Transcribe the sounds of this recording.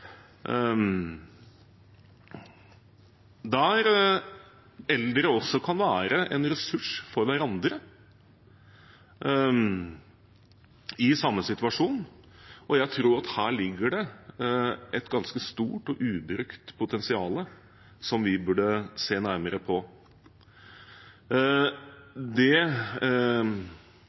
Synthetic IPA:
d̪ɛæɾ | ɛld̪ɾəɔsːɔkʰɑnʋæːɾəʔɛnɾɛsʉʂfɔɾʋæɾɑnd̪ɾə | ɪsɑmːəsɪt̪ʉɑʂuːn | ɔjæɪt̪ʰɾuːɾɑt̪hæːɭɪɡːəɖɛ | ɛt̪ɡɑnskəst̪ṵːʈɔʔʉːbɾʏkt̪pʰʊt̪ʰɛnsɪɑːlə | sɔmʋɪbʉɖəseːnæɾməɾəpʰɔ | d̪ɛ

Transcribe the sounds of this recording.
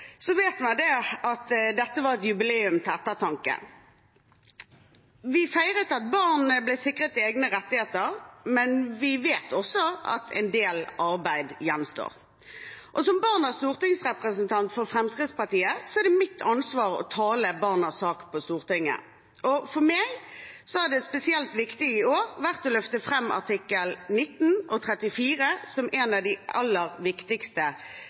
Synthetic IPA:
sɔʋeːt̪mɛd̪ɛɑt̪d̪ɛt̪ːəʋɑɾɛt̪jʉbɪleːʉmt̪ʰɪlɛt̪ːət̪ʰɑŋkə̰ | ʋɪfæɪʁət̪ɑt̪̚bɑʁnblæɪsɪkʁət̪eːɡnəʁɛt̪ːɪheːt̪əʁmɛnʋɪʋeːt̪ʰɔsːɔɑ̰t̪ʰɛ̰ɪnd̪eːlɑɾbæɪd̪jɛnst̪o̰ːʁ | ʔɔsɔmbɑʁnəst̪uːʁt̪ɪŋsʁɛpʁəsənt̪ʰɑnt̪fɔɾfɾɛmskɾɪd̪t̪spɑʁt̪iːəsɔæʁd̪ɛmɪt̪ʰːɑnsʋɑːʁɔ̰t̪ʰɑːləbɑʁnəsɑːkpʰɔst̪uːʁt̪ɪŋːə̰ | ʔɔfɔʁmɛɡsɔhæʁd̪ɛspɛsɪɛlt̪ʋɪkt̪ɪɪoːɾʋæʁt̪ɔlœft̪əfʁɛmːʔɑ̰ʁt̪ʰɪkːəlnɪt̪ːn̩ʔɔt̪ʰɾɛt̪ɪfiːɾəsɔmɛnɑd̪ɪʔɑ̰lːəɾʋɪkt̪ɪkst̪ə

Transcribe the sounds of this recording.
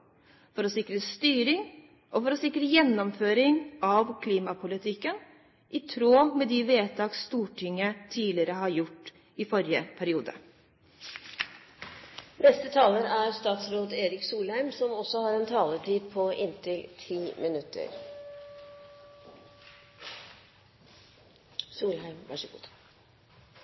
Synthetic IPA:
fɔɾɔsɪkɾəst̪yːɾɪŋ | ʔɔfɔɾɔsɪkɾəjɛnːɔmføːɾɪŋɑʋkʰliːmɑpʰʊlɪt̪ʰɪkːən | ʔɪt̪ʰɾoːmɛd̪ɪʋeːt̪ʰɑːkst̪uːʈʰɪŋːət̪ʰiːlɪəɾəɦɑɾjʊʈː | ɪfɔɾjəpʰæɾɪuːd̪ə̰ | nɛst̪ət̪ʰɑːləɾæɾst̪ɑːt̪sɾoːd̪eːɾɪksuːlhæɪmsɔmɔsɔhɑːɾɛnt̪ʰɑːləʈiːd̪̚pʰɔʔɪnt̪ɪlt̪ʰiːmɪnʉt̪ʰə̰ɾ | suːlɦæɪmʋæ̰ʂəɡṵːd̪

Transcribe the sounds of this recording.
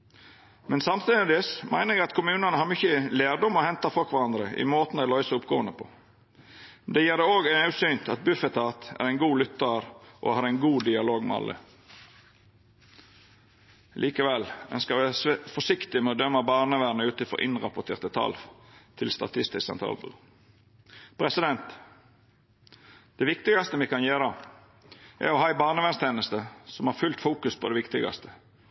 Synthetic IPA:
mɛnsɑmt̪ʰyːd̪ɪsmʔæɪnəɾɛɡɑt̪kʰʊmʉːnəɑnəhɑːɾmʏçːəleːdɔmɔhɛnt̪ɑfɔlkʋɑɾɑnd̪ɾəʔɪ̰moːt̪n̩æɪlɔʏsəʊpɡoːənəpʰɔ̰ | d̪ɛjeːʁd̪ɛoːɡɑʉsynt̪ʰɑt̪̚bʉfɛt̪ɑt̪æ̰ɾæɪnɡuːlʏt̪ːəɾʔɔ̰hɑːɾæɪnɡuːd̪ɪɑloːɡmɛ̰ɑ̰lʔə̰ | lʔiːkəʋɛlœ̰nskəʁʋɛsfɔsɪkt̪ɪmɛɔːd̪œmːəbɑːʁnəʋɛnəʉːt̪ɪfɔ̰ʔɪnʁɑpɔt̪ʰeːʁt̪ət̪ʰɑ̰lt̪ʰɪlst̪ɑ̰t̪ʰɪst̪ɪssɛ̰nt̪ɾɑ̰lbə̰ | pʰɾɛsɪd̪ɛnt̪ | d̪̥ɛʋɪkt̪ɪɡɑst̪əmikʰɑnjeːɾɑ | ʔæ̰ɾɔhɑːæɪbɑːʁnəʋɛnst̪ʰeːnəst̪əsɔmɑːʁfʉlt̪fuːkʉspʰod̪ɛʋɪkt̪ɪɡɑ̰st̪ʰə̥

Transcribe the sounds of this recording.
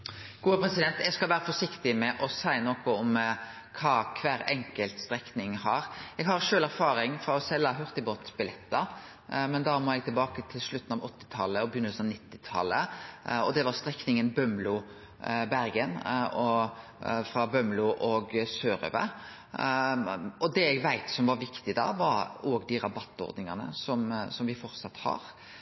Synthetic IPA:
ɡ̥uːəpʰɾɛsɪd̪ɛnt̪ɛɡskɑlʋæːɾəfɔʂɪkt̪ɪmɛʔɔsæɪnoːkɔɔm | kʰɑːkʰʋæːɾɛŋkəlt̪st̪ɾɛknɪŋhɑɾɛɡɦɑɾʂøːlæɾfɑːɾɪŋfɾɑɔsɛlːɑɦʉɾt̪ɪboːt̪bɪlɛt̪ːɑ | mɛnd̪ɑːmɔɛɡ̚t̪ʰɪlbɑːkət̪ʰɪlʂɭʉt̪ːn̩ɑʋɔt̪ːɪ̥t̪ʰɑlːəɔbəjʏnːəsɔnɪt̪ːɪt̪ʰɑ̰lːə̰ɔd̪ɛʋɑɾst̪ɾɛknɪŋənbœmlʊ | bæɾɡənɔ | fɾɑbœmlʉʔɔɡsøːɾø̰ːʋə̰ | ɔd̪ɛɛɡʋæɪt̪sɔmʋɑɾʋɪkt̪ɪd̪ɑ̰ːʋɑɾoːɡd̪iɾɑbɑt̪ːɔ̰ɾd̪nɪŋɑnə̰sɔmsɔmʋɪfɔɾt̪sɑt̪ːhɑ̰ːɾ

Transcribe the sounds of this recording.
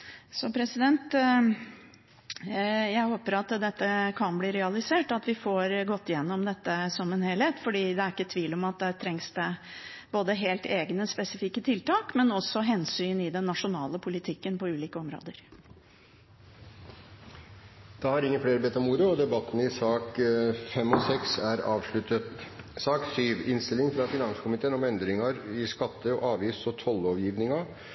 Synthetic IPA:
sɔpʰɾɛsɪd̪ɛnt̪ | jæɪhoːpəɾɑt̪d̪ɛt̪ːəkʰɑnbliːɾɛɑlɪseːʈɑt̪ʋɪfoːɾɡɔt̪ːɪjɛnːɔmd̪ɛt̪ːəsɔmɛnheːlheːt̪fɔɖiːd̪ɛæɾɪkːət̪ʰʋiːlɔmɑt̪̚d̪ɛt̪ʰɾɛŋsd̪ɛb̥oːd̪əɦeːlt̪eːɡnəspɛsɪfikːət̪ʰɪlt̪ɑːkmɛnɔsːɔɦɛnsyːnɪd̪ɛnːɑʂʊnɑːləpʰʊlɪt̪ʰɪkːənpʰɔʉːliːkəɔmɾo̰ːd̪əɾ | d̪̥ɑːhɑɾɪŋːəfɽeːɾbeːt̪ɔmuːɾəɔd̪ɛbɑt̪ːən̩ɪsɑːkfɛmːɔsɛksæɾɑːʋʂɭʉt̪ət̪sɑːksyːʋɪnst̪ɪlɪŋfɾɑfɪnɑnsə̥kʰʊmɪt̪ʰeːənɔmɛnd̪ɾɪŋɑɾɪskɑt̪ːəɔʔɑːʋiːsɔt̪ʰɔlːɔʋjiːʋnɪŋɑ

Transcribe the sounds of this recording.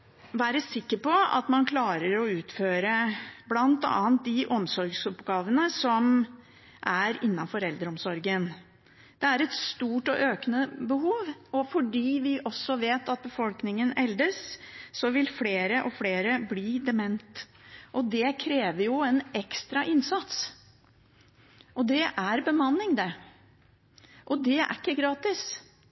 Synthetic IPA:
ʋæːɾəsɪkːəɾpɔɑ̰t̪mɑnkʰlɑːɾəɾɔʉːt̪føːɾəblɑnt̪ɑ̰ːnt̪̚d̪ɪʔɔmsɔɾɡsɔpɡɑːʋənəsɔm | ʔæɾɪnːɑnfɔɾɛld̪əɾɔmsɔɾɡən | d̪̥ɛæɾɛt̪st̪uːʈɔʔøːknəbəɦuːʋɔfɔɖiːʋɪʔɔsːɔʋeːt̪ɑt̪̚bəfɔlknɪŋənɛld̪əsːɔʋɪlfleːɾəʔɔfleːɾəbliːd̪ɛmɛnt̪ʔɔd̪ɛkʰɾeːʋəɾjʊɛnɛkst̪ɾɑʔɪnsɑt̪s | ʔɔd̪ɛʔæɾbəmɑnːɪŋd̪ɛ | ʔɔd̪ɛæ̰ɾɪkːəɡɾɑːt̪ɪs

